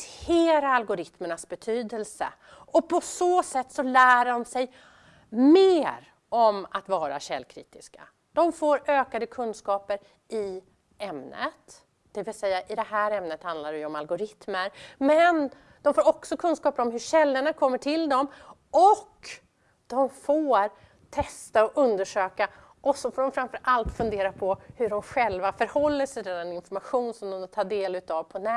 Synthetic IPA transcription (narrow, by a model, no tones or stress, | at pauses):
eːɾaalɡʊɾɪt̪məɳasbɛt̪ʰyːd̪əlsə̰ | ɔpʰɔsoːsɛt̪ːsɔlæːɖɔmsɛj | meːɾ | ɔmat̪vɑːɾa̰ɕɛ̰lkʰɾḭːt̪ɪska̰ | d̪̥ɔmfoːɾøːkad̪əkʰɵnskɑːpəɾ | ɪ | ɛmnə̰t̪ | d̪̥ɛvɪlsɛjːaʔɪd̪ɛɦæːɾɛmnət̪hand̪laɾɛjɔmalɡʊɾɪt̪məɾmɛn | d̪̥ɔmfoːɾɔksɔkʰɵnskɑːpəɾɔmɦɵɕɛlːəɳakʰɔmːəʈʰɪld̪ɔm | ɔkː | d̪̥ɔmfoːɾ | t̪ʰɛst̪aɔʔɵnd̪əʂøːka | ɔsɔfoːɖɔmfɾamfœɾʔalt̪fɵnd̪eːɾapʰɔhɵɖɔmɧɛlvafœɾhɔlːəʂɛɛd̪ɛnɪnfɔɾmaɧuːnsɔmd̪ɔmd̪t̪ʰɑːɖeːlʉ̟ːt̪avpʰɔnæ